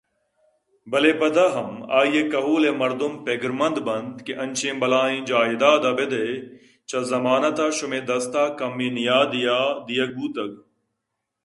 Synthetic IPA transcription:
bɐlebɐd̪aːɦɐma̰ːjekɐɦuːleːmɐɾd̪ʊmpeɡɾmɐnd̪bɐnd̪keʔɐ̃nʲt͡ʃʰẽːbɐlaːĩːd͡ʒaːid̪aːd̪ɐbed̪e | t͡ʃɐzɐmaːnɐt̪aːʃʊmẽːd̪ɐst̪aːkɐmːĩːnijaːd̪ijaːd̪ijɐɡ̚buːt̪ɐɡ̚

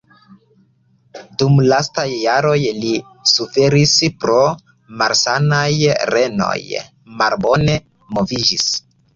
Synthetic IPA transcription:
dumlastajːaɾo̞jli | sufe̞ɾispɾo̞ | maɾsanajɾe̞no̞̰j | malbo̞ne̞ | movid͡ʒis

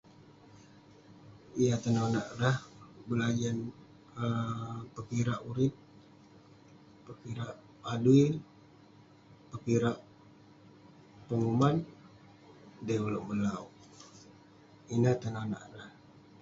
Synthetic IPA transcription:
ijat̪ənanaʔɾahbəlad͡ʒan | əpəkiɾaʔuɾɪp̚ | pəkiɾaʔ | paduɪl | pəkiɾaʔ | pəŋuman | dɛuluʔməlau | inaht̪ənana̰ʔɾah

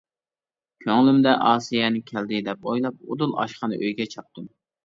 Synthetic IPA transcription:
kʲʰøŋlymd̪ɛʔɑːsijɛnɪkʲʰɛld̪ɪd̪ɛp̚ojlˠɑp̚ud̪ulˠɑ̰ʃqɑnɨ̰ʔøjɡʲɛt͡ʃʰɑp̚t̪ʰɨm

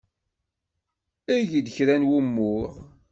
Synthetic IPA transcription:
æʝid̪çɾænwumːʊɾ

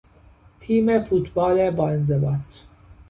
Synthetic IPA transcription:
t̪ʰiːmefuːt̪bɑːlebɒːenzebɑːt̪ʰ

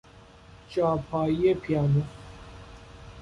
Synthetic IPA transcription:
t͡ɕaːpʰaːjepʰjaːnu

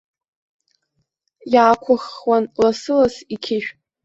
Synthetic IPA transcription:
jaːkʷʰʊχwanlasɨlasikʲʰɪʃᶣ

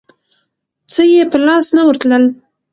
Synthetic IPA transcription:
t͡səjepəlɑsnawəɾt̪ləl

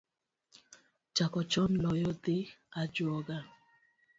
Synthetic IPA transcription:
t͡ʃakɔt͡ʃɔnlɔjɔt̪ɪad͡ʒuɔɡa

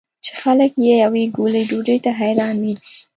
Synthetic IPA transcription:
t͡ʃe̥xaləkjejaweɡoləjɖoɖəjt̪aɦajɾɑnwi

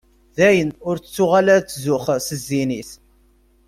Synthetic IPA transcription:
ðæjənʊɾt͡st͡sːʊʁalæt͡sːzʊχsəzːiniθ

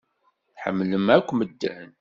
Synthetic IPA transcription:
θħə̰mːləmækʷːməd̪ːæn

